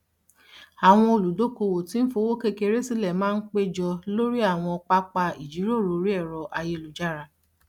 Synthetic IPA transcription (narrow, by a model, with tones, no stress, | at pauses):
a˨w̃ɔ̃˧o˧˨lu˨do˨˦ko˧wo˨tĩ˨˦n̩˦fo˧˦wo˦ke˦ke˧ɾe˦si˦lɛ˨mãː˦k͡pe˦d͡ʒɔ˧lo˦ɾi˦a˦˨w̃ɔ̃˧ɔ˧k͡pa˦k͡pa˧i˨d͡ʒi˨˦ɾo˦˨ɾo˨˦ɾi˦ɛ˦˨ɾɔ˧ʔa˧je˧lu˨d͡ʒa˦ɾa˧